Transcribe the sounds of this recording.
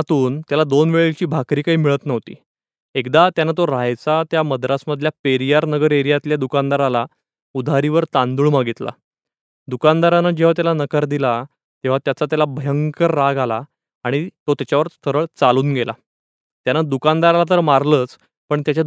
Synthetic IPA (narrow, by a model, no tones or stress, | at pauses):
t̪uːnt̪jalad̪onʋeɭeɭt͡ɕiːbʱakɾiːkaɦiːmiɭət̪nəʋt̪ḭː | ekd̪at̪janːat̪oɾajt͡sat̪jaməd̪ɾasməd̪ʱljapeɾijaɾnəɡəɾeɾijat̪ljad̪ukand̪aɾala | ud̪ʱaɾiʋəɾt̪ãnd̪uɭmaɡit̪la̰ | d̪ukand̪aɾanad͡ʑeʋ̤at̪jalanəkəɾd̪ila | t̪eʋ̤at̪jat͡sat̪jalabʱəjəŋkəɾːaɡalaː | ɽ̃it̪ot̪jat͡ɕaʋəɾst̪ʰəɾəɭt͡saluːnɡela | t̪janːad̪ukand̪aɾalat̪̬əɾmaɾləːt͡s | pəɳt̪jat͡ɕa